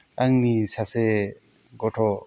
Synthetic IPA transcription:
aŋnisase | ɡɔtʰɔ

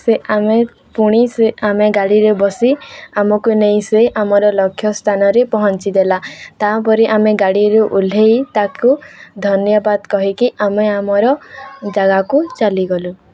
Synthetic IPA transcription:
seame | puɽ̃iseameɡaɽiɾebɔsiamɔkunej̃seʔamɔɾɔlɔkʰːjɔst̪ʰanɔɾepɔɦɔnt͡ʃid̪elat̪apɔɾiʔameɡaɽiɾuʔul̤ʱejt̪akud̪ʱɔnjɔbad̪kɔɦikiʔameamɔɾɔd͡ʒaɡakut͡ʃaliɡɔlu

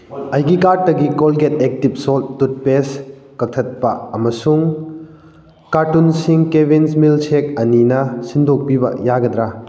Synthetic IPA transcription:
ɐjɡikaɾtːɐɡikolɡetek̚tip̚soltːut̚pes | kɐk̚tʰɐt̚pɐɐmɐsuŋ | kaɾtunsiŋkebʱinsmilt͡ʃʰek̚ɐninɐsindʱok̚pibɐ̰jaɡɐd̪ɾa

